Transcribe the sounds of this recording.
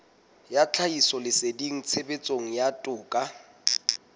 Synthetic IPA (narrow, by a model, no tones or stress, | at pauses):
jat͡ɬʰaisɔlɪsediŋ̩t͡sʰebet͡sʼoŋ̩jatʼʊːkʼa